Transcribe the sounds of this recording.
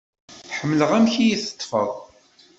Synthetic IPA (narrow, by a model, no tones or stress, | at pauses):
ħəmːləʁæmçijiθə̥t̪ˤːfə̰ðˤ